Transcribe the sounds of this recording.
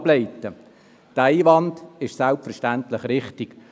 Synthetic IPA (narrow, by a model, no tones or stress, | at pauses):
bleɪtə | tæɪʋɑndɪʃsælpfɛɾʃtæntlɪχɾɪχtiɡ